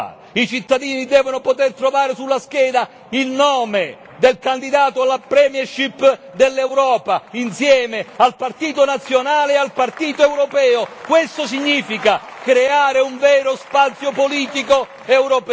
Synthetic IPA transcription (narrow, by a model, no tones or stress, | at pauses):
it͡ʃit̪ːad̪iːnid̪ɛːvonopot̪ert̪ɾovaːɾesulːask̟ɛːd̪a | ilnɔːme | d̪elkand̪id̪aːt̪oalːapɾɛːmjɛrʃipː | d̪elːɛwɾɔːpainsjɛːmealpart̪iːt̪onat̪sːjonaːleːalpart̪iːt̪oɛwɾopɛːokwest̪osiɲːiːfikakɾeaːɾeuɱvɛːɾospat̪sːjopoliːt̪iko | ɛwɾop